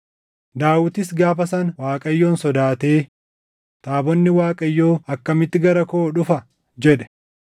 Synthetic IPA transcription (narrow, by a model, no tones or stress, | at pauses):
d̪aːwʊt̪ɪsɡaːfɐsɐnwaːkʼɐjːo̞ːnsɔd̪aːt̪e̞ː | t̪aːbɔnːɪwaːkʼɐjːo̞ːɐkːɐmɪt̪ːɪɡɐɾɐkoːᶑʊfɐ | d͡ʒɛᶑɛ̥